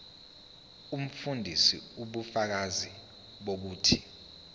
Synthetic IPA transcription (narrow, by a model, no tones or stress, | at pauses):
um̩fundʱisḭuɓufak̬azi | ɓok̬uːtʰi